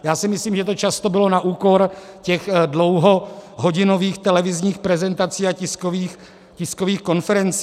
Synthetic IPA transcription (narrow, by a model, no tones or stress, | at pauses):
jaːsɪmɪsliːmʒɛt̪ot͡ʃast̪obɪlo̞naʔuːko̞ɾcɛɣdlowɦoɦoɟɪnoviːxt̪ɛlɛvɪzɲiːxpɾɛzɛnt̪at͡siːacɪskoviːx | cɪskoviːxko̞nfɛɾɛnt͡sː